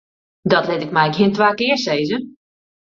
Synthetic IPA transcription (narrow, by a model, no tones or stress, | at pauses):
dɔtlɪtɪk̚mɛjkhiəntʋaːkɪəɹseːzə